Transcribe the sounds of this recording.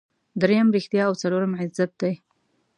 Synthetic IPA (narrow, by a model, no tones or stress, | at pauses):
d̪ɾejamɾixt̪jɑːwt͡saloɾamʕɪzat̪̚d̪aj